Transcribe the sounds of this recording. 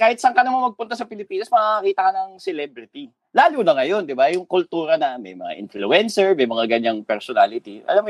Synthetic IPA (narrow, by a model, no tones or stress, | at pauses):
kaːhɪt̪sɐŋkanɐmanmɐɡ̚pʊnt̪asɐpɪlɪpiːnɐsmɐaɐkiːt̪ɐkɐnɐŋsɛlɛbɾɪt̪i | laːluːnɐŋɐjo̞nd̪ɪbajʊŋkʊlt̪uːɾɐnɐmɐ̰jmɐ̰ŋa̰ʔɪ̰nfluɛnsɛɹmɐjmɐŋaɡɐɲaŋpɛɾsonaːlɪt̪iʔɐ̰lam